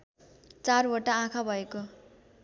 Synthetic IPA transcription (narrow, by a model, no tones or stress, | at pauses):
t͡saroʈaãkʰabʱʌeko